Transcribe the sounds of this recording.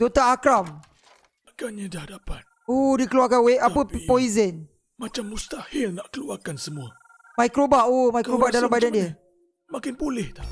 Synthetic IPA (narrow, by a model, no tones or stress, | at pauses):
dot̪aːkɾam | akaɲadahadapan̚ | ohdikəluarkanweapəpoizən | mat͡ʃamːust̪ahɪlnaʔkəluarkansəmua | maikɾobaʔomajkɾobahdalambadandiə | makɪnbulɛht̪a